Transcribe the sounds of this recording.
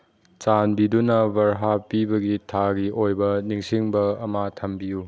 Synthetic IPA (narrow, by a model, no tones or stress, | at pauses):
t͡ʃanbidunɐbɐɾɦapibɐɡitʰaɡiʔojbɐniŋsiŋbɐɐmatʰɐmbiju